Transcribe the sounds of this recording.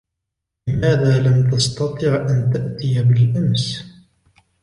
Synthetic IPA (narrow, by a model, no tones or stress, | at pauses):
lɪmaːðaːlamt̪ɑst̪ɑt̪ˤɨʕʔant̪aʔt̪ɪjabɪlʔams